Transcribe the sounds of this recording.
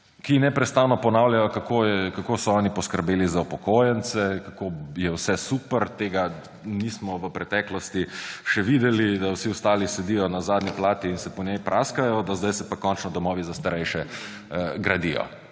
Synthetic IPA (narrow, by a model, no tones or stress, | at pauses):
kinɛpɾɛt̪st̪aːnɔpɔnawlʲjajɔkakoɛkakosɔɔːnipɔskəɾbeːlizaupɔkoːjɛnsɛkakojɛwsɛsuːpəɾt̪eːɡa | niːsmɔʋəpɾɛt̪ɛklɔst̪iʃɛʋid̪ɛlid̪awsiɔst̪aːlisɛd̪ijɔnazaːd̪nʲiplaːt̪iːnsɛpɔnjɛjpɾʔaːskajɔd̪azd̪ajsɛpakɔnt͡ʃnɔd̪ɔmɔːʋizast̪aɾɛjʃɛ | ɡɾad̪ijɔ̰